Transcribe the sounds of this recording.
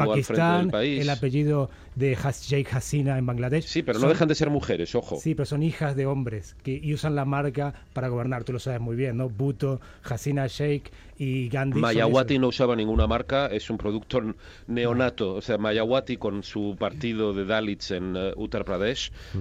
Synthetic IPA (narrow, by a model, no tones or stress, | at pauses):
paaisfɾẽt̪aenpaieslapeʒið̞o | ðexasʒejkxasinaembaŋɡlaðeʃsipeɾonoexand̪ese̞ɾmuxeɾe̞so̞xo̰sipe̞ɾoso̞nixazðeo̞mbɾeskeusanlamaɾkapaɾaɣo̞β̞eɾnaɾt̪ulo̞saβezmujβ̞je̞nːoβut̪o | xasinaʃejk | iɣand̪imaʝaɣwainousaβanĩŋɡunamaɾkae̞sumpɾoðuk̚t̪o | ne̞onat̪oːseamajaɣwat̪iko̞nsupaɾt̪ið̞o̞ðe̞ðalit͡senut̪aɾpɾaðeʃ